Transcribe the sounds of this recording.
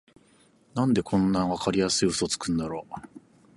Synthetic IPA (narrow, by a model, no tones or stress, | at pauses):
nãnd̪e̞kʰõ̞nːaβakaɾʲijasɨiosot͡sɨ̥kɯ̟̃nd̪aɾo